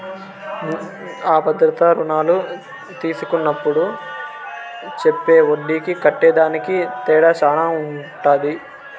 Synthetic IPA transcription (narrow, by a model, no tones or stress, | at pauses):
aːpɐd̪ɾɐt̪ɐɾunaːlu | t̪iːsukunːɐpːuɽu | t͡ʃepːeːoɖːiːkikɐʈːɛːd̪aːnikit̪ɛːɽaːt͡ʃaːnaːuɳʈaːd̪i